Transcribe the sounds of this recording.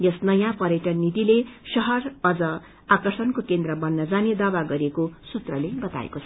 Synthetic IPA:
jʌsnʌjãpʌɾeʈʌnnit̪ilesʌɦʌrʌd͡zʌ | akʌrsʌnkokend̪rʌbʌnːʌd͡zaned̪abaɡʌɾekosut̪rʌlebʌt̪a̰ḛkot͡sʰʌ̥

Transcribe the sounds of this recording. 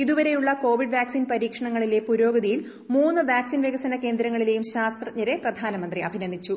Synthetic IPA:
iðuʋɐɾe̞juɭːɐko̞ːʋiɖʋaːksinpɐɾiːkʂɐɳɐŋːɐɭile̞puɾo̞ːɡɐðijil | muːnːɨʋaːksinʋeːɡɐsɐnɐke̞ːnd̪ɾɐŋːɐɭile̞jumɕaːst̪rɐɲːɐɾe̞prɐd̪ʱaːnɐmɐnd̪riɐbʱinɐnd̪ʱit͡ɕːu

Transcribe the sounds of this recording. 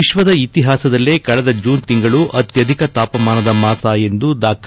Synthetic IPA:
iʃʋɐd̪ɐit̪iɦaːsɐd̪ɐlːeːkɐɭɛd̪ɐd͡ʒuːnt̪iŋɡɐɭuʔɐt̪jɐd̪ʱikɐt̪aːpɐmaːnɐd̪ɐmaːsaːje̞nd̪ud̪aːk

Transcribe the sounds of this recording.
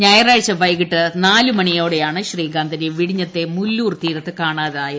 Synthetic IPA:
ɲɐjɐraːɻt͡ɕːɐʋɐjkiʈːɨnaːlumɐɳijo̞ːɽejaːɳɨɕriːɡaːnd̪ʱɐneʋiɽiɲːɐt̪ːe̞mulːuːrt̪iːɾɐt̪ːɨkaːɳaːðaːjɐ

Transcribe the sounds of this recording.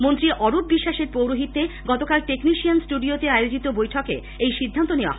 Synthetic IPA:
mont̪ɾiʔɔɾup̚biʃːaʃeɾpɾowɾuɦit̪ːeɡɔt̪okalʈekniʃiansʈuɖiot̪eajod͡ʑit̪obojʈʰokḛ | ejʃid̪ʱːant̪oneoa̰ɦ

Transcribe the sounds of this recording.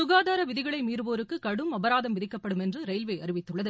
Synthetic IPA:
sʊɣaːðaːɾɐʋɪðɪɣɐɭɐɪmiːɾɯʋoːɾɯkːɯkɐɽɯmɐbɐɾaːðɐmʋɪðɪkːɐpːɐɽɯmɛndrɯɾɐɪlʋeːɐrɪʋɪt̪ːɯɭːɐðɯ

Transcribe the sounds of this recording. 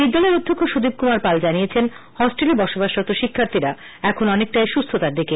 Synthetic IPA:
iɾd̪oneɾod̪ʱːokʰːoʃud̪ib̚kumaɾpald͡ʑaniet͡ɕʰen | hɔsʈelebɔʃobaʃɔt̪oʃikʰːaɾt̪ʰiɾa | ɛkʰonɔnek̚ʈajʃust̪ʰot̪aɾd̪ike

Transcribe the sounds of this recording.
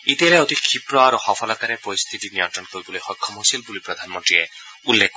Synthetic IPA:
it̪eleɔt̪ikʰipɾɔaɾohɔpʰɔlakaɾepoɾist̪ʰit̪iniɔnt̪ɾɔnkoɾibɔlojhɔkʰːɔmojsilbulipɾɔd̪ʱanmɔnt̪ɾie | ulːek

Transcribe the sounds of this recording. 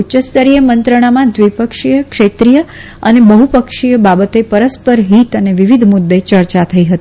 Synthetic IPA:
ut͡ʃəst̪əɾijəmənt̪ɾəɽ̃amãd̪ʋipəkʂijəkʃet̪ɾijə | ənebəɦupəkʂijəbabət̪epəɾəspəɾɦit̪əneʋiʋid̪ʱmʊd̪ːet͡ʃəɾt͡ʃat̪ʰəiɦət̪ii

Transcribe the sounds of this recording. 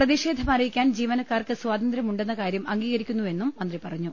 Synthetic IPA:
prɐðiɕe̞ːd̪ʱɐmɐɾɐjikʲːaːnd͡ʑiːʋɐnɐkːaːrkɨswaːd̪ɐnd̪ɾɐmuɳɖe̞nːɐkaːɾjɐmɐŋɡiːɣɐɾikʲːunːue̞nːumːɐnd̪ripɐrɐɲːu

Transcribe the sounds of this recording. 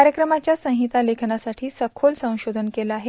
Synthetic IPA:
aɾjəkɾəmat͡ɕjasə̃ŋ̃ɦit̪alekʰnasaʈʰiːsəkʰolsə̃w̃ɕod̪ʱənkelaaɦe

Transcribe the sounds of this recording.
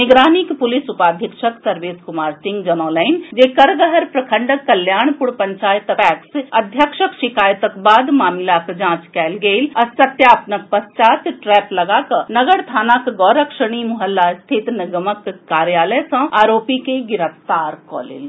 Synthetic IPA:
nɪɡɾaːnikpʊlɪsupaːd̪ʱəkʃəksɐɾʋeːskʊmaːɾsɪ̃ŋɡd͡ʒɐnɔːlaɪnd͡ʒeːkɐɾɡəɦəɾpɾɐkʰə̃ɳɖəkːɐljaːɳ̃pʊɽpɐɲt͡ʃaːjət̪pɛːksɐd̪ʱjəkʃəkʃɪkaːjət̪əkbaːd̪maːmɪlakd͡ʒãːt͡ʃkɛːlɡeːlɐsɐt̪jaːpnɐk̚pɐst͡ʃaːt̪ʈɾɛːplɐɡakɐnɐɡəɽt̪ʰaːnakɡɔːɾəkʃəɽ̃imʊɦəlːast̪ʰit̪nɐɡəməkːaːɾjaːləjsɐ̃aːɾoːpikeɡɪɾəft̪aːɾkɔ̰ːlḭl

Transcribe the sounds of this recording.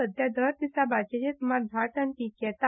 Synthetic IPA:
əd̪ʱjad̪ʱəɾt̪isabat͡ɕed͡ʑet̪umaɾd̪ʱaʈənʈikkɛt̪a

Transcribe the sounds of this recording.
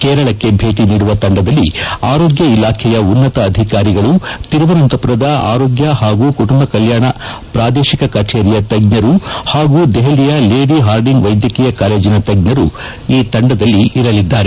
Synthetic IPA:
kɛːɾɐɭɐkːe̞bʱe̞ːʈiniːɽuʋɐt̪ɐɳɖɐd̪ɐlːiaːɾoːɡjɐilaːkʰɛjɐunːɐt̪ɐːd̪ʱikaːɾiɡɐɭut̪iɾɐʋɐnɐnt̪ɐpɾɐd̪ɐa̰ːɾoːɡjɐɦaːɡuːkuʈumbɐkɐljaːɳɐ | pɾaːd̪eːʃikɐkɐɾt͡ʃeːɾijɐt̪ɐɡ̚nɐɾuhaːɡuːd̪ɛɦɐlijɐleːɖiɦaːɾɖiŋɡʋɐjd̪jɐkiːjɐkaːle̞ːd͡ʒinɐt̪ɐɡ̚nɐɾu | iːt̪ɐɳɖɐd̪ɐlːiiɾɐlid̪ːaːɾe

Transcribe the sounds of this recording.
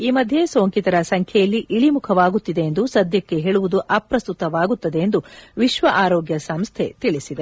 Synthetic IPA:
iːmɐd̪ʱje̞so̞ːŋkit̪ɐɾɐsɐŋkʰjɛjɐlːiʔiɭimukʰɐʋaːɡut̪ːid̪e̞jend̪usɐd̪ʱjɐkːe̞ɦeːɭuʋud̪uʔɐpɾɐst̪ut̪ɐʋaːɡut̪ːɐd̪e̞ːnd̪uʋiʃʋɐʔaːɾɔːɡjɐsɐmst̪ʰe̞t̪iɭisid̪e

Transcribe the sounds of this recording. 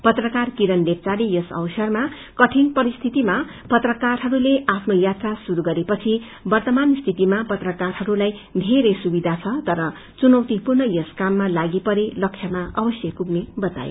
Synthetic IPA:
pʌt̪rʌkarkiɾʌnbep̚t͡saɾijʌsʌ̰wsʌrma | kʌʈʰinpʌɾist̪ʰit̪ima | pʌt̪rʌkarɦʌɾuleʔapʰnojat̪rasuɾuɡʌɾepʌt͡sʰi | bʌrt̪ʌmanst̪ʰit̪imapʌt̪rʌkarɦʌɾulajd̪ʱeɾʌjsubid̪ʱat͡sʰʌt̪ʌɾʌ | t͡sunʌwt̪ipurnʌjʌskamːalaɡipʌɾelʌksʰjʌmaʔʌbʌsjʌkuɡnebʌt͡sa̰jo̰

